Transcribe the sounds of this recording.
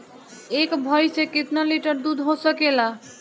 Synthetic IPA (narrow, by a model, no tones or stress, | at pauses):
ekbʱɔjsẽkit̪naliʈəɾd̪ud̪ʱɦosəkela